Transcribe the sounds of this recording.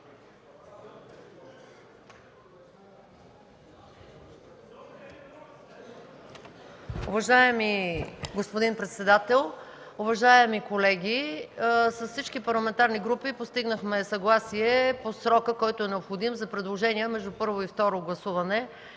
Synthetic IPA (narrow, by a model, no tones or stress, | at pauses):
ʊvɐʒaɛmiɡospod̪inpɾɛt̪sɛd̪at̪ɛlˠ | ʊvɐʒaɛmikolɛɡʲi | sɐssit͡ʃkipɐɾlˠɐmɛnt̪aɾniɡɾupipost̪iɡnəxmɛsɐɡlˠasiɛposɾɔkəkɔjt̪oɛnɛopxod̪imzɐpɾɛd̪lˠoʒɛniəmɛʒd̪upɤɾvoift̪ɔɾoɡlˠɐsuvɐnɛ